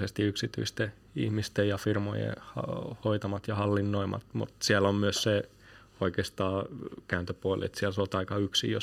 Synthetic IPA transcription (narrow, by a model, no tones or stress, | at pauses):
sest̪iyksit̪y̰ist̪e | ḭhmist̪ejjɑfirmo̰jḛhɑhoit̪ɑmɑt̪jɑhɑlːinːoimɑ̰t̪mṵt̪siælːommyøsse | oikeːst̪ɑːkæːnt̪øpuolḭḛt̪siælseolt̪ɑikɑyksḭjo̰